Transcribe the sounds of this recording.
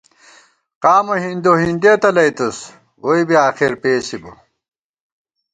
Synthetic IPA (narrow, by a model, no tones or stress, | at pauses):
qaːmoɦind̪oɦind̪eːt̪ɐlɐjt̪us | oibiaːxiɾpeːsibṵ